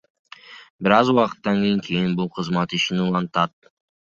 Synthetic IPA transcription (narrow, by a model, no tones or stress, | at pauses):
bɪɾɑzuwɑqə̥t̪ːɑŋkʰʲe̞jɪŋkʲʰe̞jɪnbʊlˠqʰəzmɑt̪ɪʃɪnulˠɑnt̪ɑd̪̚